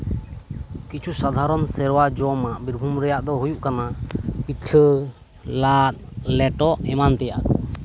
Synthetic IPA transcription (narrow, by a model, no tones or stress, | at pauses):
kit͡ʃʰusad̪ʱaɾɔnsɛɾwad͡ʒɔmaʔbiɾbʱumɾɛjaʔd̪ɔɦujuʔkanapitʰə | lat̪̚lɛʈɔʔɛmant̪ɛjaʔkɔ